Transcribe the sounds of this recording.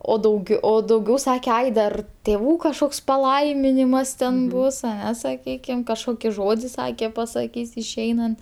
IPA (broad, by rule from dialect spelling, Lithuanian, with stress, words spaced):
oː dɐʊˈɡʲɛʊ oː dɐʊˈɡʲɛʊ ˈsɑːkʲɛ ˈɐɪ dɐr tʲeːˈʋuː kɐʃˈkoːks pɐˈlˠɐɪmʲɪnʲɪmɐs tʲɛn ˈbʊs ɐˈnʲɛ sɐˈkʲiːkʲɪm kɐʃˈkoːkʲɪ ˈʒoːdʲɪ ˈsɑːkʲɛ pɐsɐˈkʲiːs ɪʃʲˈɛɪnɐnt